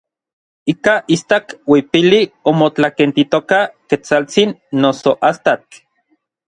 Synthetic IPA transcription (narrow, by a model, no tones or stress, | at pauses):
ikaʔist̪akwipiliomot͡ɬakent̪it̪okaket͡salt͡sinːosoʔast̪at͡ɬ